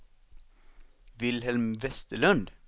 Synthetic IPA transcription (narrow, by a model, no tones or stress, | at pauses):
ʋɪlhɛlmʋɛst̪əlœnd̪